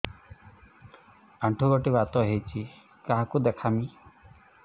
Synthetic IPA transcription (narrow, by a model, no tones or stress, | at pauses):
aɳʈʰuɡoʈiβat̪ɔɦejt͡ʃʰi | kaɦakud̪ekʰami